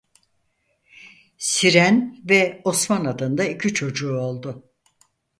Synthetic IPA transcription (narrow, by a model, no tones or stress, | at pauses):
siɾænvɛo̞smanad̪ɯnd̪aicʰit͡ʃʰo̞d͡ʒuːo̞lˠd̪ʊ